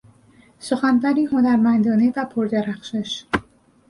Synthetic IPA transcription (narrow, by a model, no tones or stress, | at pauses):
soxænvæɾiːhonæɾmænd̪ɒːnevæpʰoɾd̪æɾæxʃeʃ